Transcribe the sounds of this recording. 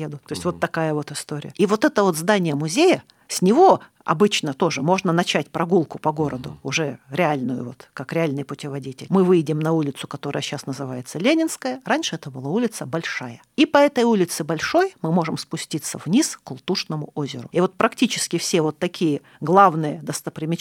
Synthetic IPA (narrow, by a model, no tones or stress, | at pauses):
ed̪ʊt̪oɪsʲtʲvo̞t̪ːɐkajəvo̞t̪ɪst̪o̞ɾʲɪ̰jəivo̞t̪ɛt̪əvo̞t̪zd̪anʲɪjəmʊzʲejə | sʲnʲɪvo̞ | ɐ̰bɨt͡ɕnət̪o̞ʐɨmo̞ʐnənɐt͡ɕætʲpɾɐɡulˠkʊpɐɡo̞ɾəd̪ʊʊʐɛɾʲɪalʲnʊjʊ̰vo̞̰t̪kakɾʲɪalʲnɨjpʊtʲɪvɐdʲitʲɪ̰lʲmɨvɨjdʲɪmnɐulʲɪt̪sʊ̥kɐt̪o̞ɾəjəɕasnəzɨvajɪt̪səlʲenʲɪnskəjəɾanʲʂɨɛt̪əbɨlˠaulʲɪt̪səbɐlʲʂajəipɐɛt̪əjulʲɪt̪sɨbɐlʲʂo̞jmɨmo̞ʐɨmspʊsʲtʲit̪sːəvnʲiskʊlˠt̪uʂnəmʊʔo̞zʲɪɾʊ̰ivo̞t̪̚pɾɐktʲit͡ɕɪ̥skʲɪfsʲevo̞t̪ːɐkʲʰijə | ɡlˠavnɨjəd̪əst̪əpɾʲɪmʲɪ